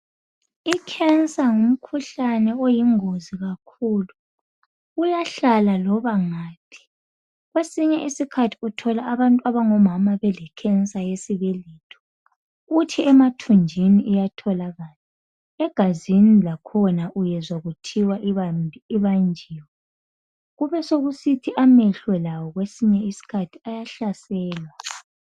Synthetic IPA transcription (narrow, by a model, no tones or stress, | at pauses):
ikʰɛnsʼaŋum̩kʰuɬanɛojiŋoziɣakʰuːlu | ujaɬalalɔβaŋaːpʰi̥ | ɣwesiɲɛʔisikʰatʰi̥utʰɔlaːβantʼwaβaŋɔmamaβɛlɛkʰɛnsʼajesiβelitʰɔ̥ | ɣutʰiɛmatʰund͡ʒʱiniʔijatʰɔlaɣaːli | ɛɡ̥ʱazinilakʰɔnaʔujɛzwaɣutʰiwa | iβand͡ʒʱiːwa | ɣuβɛsoɣusitʰiʔamɛɬwɛlawɔɣwesiɲɛisi̥kʰatʰiajaɬasɛːlwa